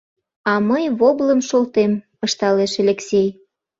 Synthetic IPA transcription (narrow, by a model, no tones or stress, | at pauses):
ɑməjβobləmʃolt̪em | əʃt̪ɑleʃelʲeksʲej